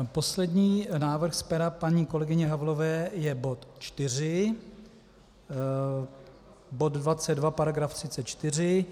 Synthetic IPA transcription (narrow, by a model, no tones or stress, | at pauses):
po̞slɛdɲiːnaːvr̩xspɛɾapaɲiːko̞lɛɡɪɲɛɦavlo̞vɛːjɛbo̞t̪t͡ʃt̪ɪr̝ɪ | bo̞d̪dvat͡sɛd̪̚dvapaɾaɡɾaft̪r̥ɪtt͡sɛt̪̚t͡ʃt̪ɪrɪ